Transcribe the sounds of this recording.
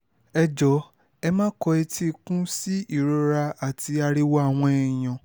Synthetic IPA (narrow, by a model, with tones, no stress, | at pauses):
ɛ˧d͡ʒɔ˨˦ | ɛ˧mãː˦kɔ˧ɛ˧tʰi˦kũ˦si˦i˦˨ɾo˧ɾa˧a˨ti˧a˧ɾi˧wɔ˦a˦˨w̃ɔ̃˧ɛ˨j̃ã˨